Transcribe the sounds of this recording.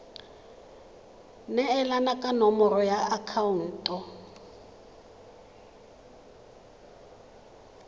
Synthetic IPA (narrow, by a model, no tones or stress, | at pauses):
nɛɛlanakʼanɔmɔɾɔjaakʰaun̩ːtʼɔ